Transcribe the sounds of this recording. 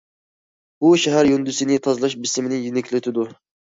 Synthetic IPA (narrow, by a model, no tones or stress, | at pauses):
buʃæɦæɾjynd̪ysɪnɪt̪ʰɑzɨlˠɑʃbɪsɪmɪnɪjynɛkʲʰlɪt̪ʰɪd̪u